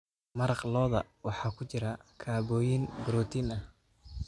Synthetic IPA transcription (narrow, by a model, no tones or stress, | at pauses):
mɐɾɑqlɔːðɐ̰wɑħɑːkʰʊt͡ʃɪɾɐkʰaːβɔːjɪnbʊɾɔːt̪ʰinɐh